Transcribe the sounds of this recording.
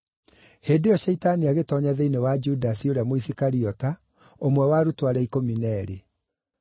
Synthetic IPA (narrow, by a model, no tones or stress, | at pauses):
heːndejɔʃɛitaniaɣetɔɲaðɛinewad͡ʒudasioɾeamoisikaɾiɔta | omwɛwaɾutwaɾɛikominɛɾe